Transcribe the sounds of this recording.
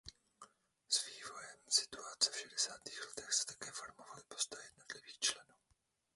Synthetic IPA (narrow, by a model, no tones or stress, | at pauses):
sviːvo̞jɛmsɪ̥t̪uat͡sɛfʃɛdɛsaːt̪iːxlɛt̪ɛxsɛ̥t̪ḁkɛːfoɾmovalɪpo̥st̪ajɛdno̞t̪lɪviːxt͡ʃlɛnuː